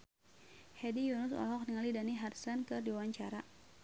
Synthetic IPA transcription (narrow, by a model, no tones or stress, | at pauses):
hɛdijunʊsɔ̰lɔk̚niŋalidaniɦarsankɨrdiwaɲt͡ʃaɾa